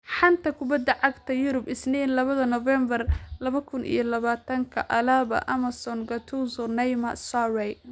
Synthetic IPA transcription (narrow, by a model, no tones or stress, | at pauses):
ħɑnt̪ʰɐkʰʊbɐd̪ːɐʕɑɡt̪ʰɐjʊɾʊbɪsnɛnlɐβɐðɐnɔvɛmbɐrlɐβɐkʰʊnʔḭjɞlɐβaːt̪ʰɐŋkʰɐʔɐlaːβɐ̰ʔɐmɐsɔnɡɐt̪ʰuzɔnɛjmɐsawɛj